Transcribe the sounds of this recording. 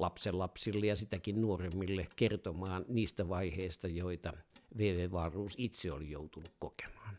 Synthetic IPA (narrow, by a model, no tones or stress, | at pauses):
lɑpsellɑpsilːejɑsit̪ækinnuoremːilːekert̪omɑːnniːst̪æʋɑiheist̪ɑjoit̪ɑʋeːʋeːʋɑrˑuːsit̪seolijo̰ut̪unukkoke̥mɑːn